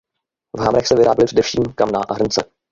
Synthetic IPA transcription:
vɦamɾɛxsɛvɪɾaːbɛlɪpr̥ɛdɛfʃiːmkamnaːʔaɦr̩nt͡sɛ̰

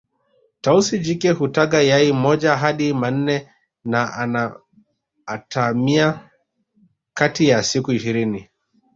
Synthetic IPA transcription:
tausid͡ʒikɛhutaɠajaimɔd͡ʒaɦaɗiman̩nɛ | naanaː | tamia | katijasikuiʃiɾini

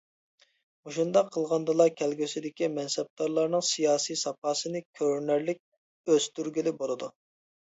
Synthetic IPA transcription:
uʃund̪ɑqʰːəlˠʁɑnd̪ɨlˠɑkʲʰɛlɡʲysɪd̪ɪkʲimɛnsɛb̚t̪ɑɾlˠɑɾnɨŋsijɑːsijsɑpʰɑːsɨnɨkʲʰøɾnæɾlɪk̚ʲ | øz̥t̪yɾɡʲilɪbolˠɨd̪u

